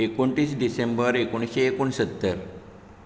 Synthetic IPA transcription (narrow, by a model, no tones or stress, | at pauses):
ekoɳʈiːsɖisembəɾekoɳ̃ɕeːkoɳsət̪ːəɾ